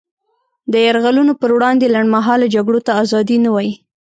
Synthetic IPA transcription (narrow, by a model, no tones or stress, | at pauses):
d̪əjaɾɣalunopəɾwɽɑnd̪elaɳɖmaɦɑlad͡ʒaɡɽot̪aːzɑd̪inawɑji